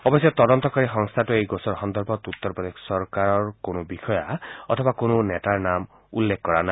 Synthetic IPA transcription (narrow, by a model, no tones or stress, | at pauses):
ɔbɔsjɔt̪ɔd̪ɔnt̪ɔkaɾiɦɔŋst̪ʰatuejɡosɔɾxɔnd̪ɔɾbʱɔt̪ut̪ːɔɾpɾɔd̪essɔɾkaɾɔɹkonɔbixʰɔjaɔt̪ʰɔbakonuneʈaɹnam | ṵlːekʰkɔɾana